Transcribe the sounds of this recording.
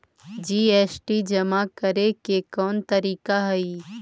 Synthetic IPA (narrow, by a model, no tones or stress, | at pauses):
d͡ʒiːeːsʈid͡ʒɐmakəɾekekɔːnt̪ɐɾiːkaɦɐiː